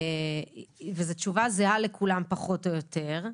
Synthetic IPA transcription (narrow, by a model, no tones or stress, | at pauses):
vezetʃuvazealekʰulampaχo̞tojot̪eʁ